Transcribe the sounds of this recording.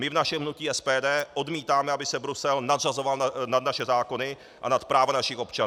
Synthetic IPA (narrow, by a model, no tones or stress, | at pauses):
mɪvnaʃɛmɦnuciːɛspɛːdɛːʔo̞dmiːt̪aːmɛabɪsɛbɾusɛlnad̪razovalnad̪naʃɛzaːko̞nɪ | ʔa̰nat̪pɾaːvanaʃɪxo̞pt͡ʃan